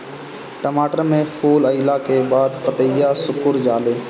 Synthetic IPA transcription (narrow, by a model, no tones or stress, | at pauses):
ʈəmaːʈəɾmẽfʰuːləɪlakebaːd̪pət̪əjaːsʊkʊɾd͡ʒaːleː